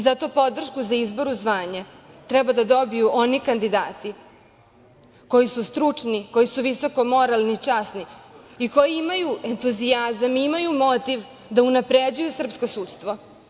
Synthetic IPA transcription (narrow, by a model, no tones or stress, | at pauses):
zat̪opo̞d̪r̩ʃkuzaizbo̞ɾuzʋaːɲat̪ɾɛbad̪ad̪o̞bijuʔo̞nikand̪id̪aːt̪i | ko̞jisust̪ɾut͡ʂniko̞jisuʋiso̞komo̞ɾalˠnit͡ʂaːsniiko̞jiimajue̞nt̪uziazamiimajumo̞t̪iʋ | d̪aunapɾed͡ʑujusr̩pskosuːt̪st̪ʋo̞